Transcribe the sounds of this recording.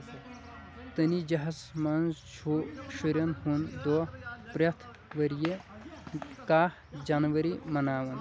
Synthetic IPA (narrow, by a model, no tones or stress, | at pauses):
t̪ɐnid͡ʒɐɦɐsmɐnzt͡ʃʰuʃuɾɐnhund̪oːpɾʲɐt̪ʰ | ʋɐɾije | kaːhd͡ʒanʋɐɾimɐnaːʋɐn